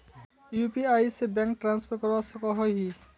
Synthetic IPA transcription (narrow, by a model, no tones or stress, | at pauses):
jupiajsebɛŋk̚ʈɹanspʰɔɾkɔɹasɔkɔɦɔjɦi